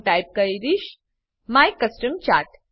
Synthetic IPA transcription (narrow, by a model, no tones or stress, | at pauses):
ʈajp̚kəjɾiɕ | majkːəsʈəmt͡ɕaʈ